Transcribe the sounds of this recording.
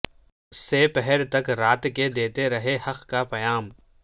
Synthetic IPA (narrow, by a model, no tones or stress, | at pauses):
sepɛɦɛɾt̪ɐkɾaːt̪ked̪eːt̪eɾɐɦehɐqkapɐjaːm